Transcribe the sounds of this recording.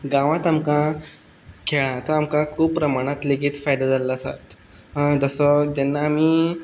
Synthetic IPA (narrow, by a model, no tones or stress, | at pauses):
ɡãʋãt̪amkã | kʰeɭãət͡səamkãkʰuːppːɾəmaɽ̃at̪leɡiːt̪fajd̪ad͡zalaːsa̰t̪ | ɦd͡zəsɔd͡ʑɛnːaːmiː